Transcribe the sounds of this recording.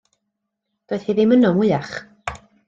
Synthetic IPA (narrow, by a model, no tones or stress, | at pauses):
d̥oːɨð̥hɨðimənɔmwɪaχ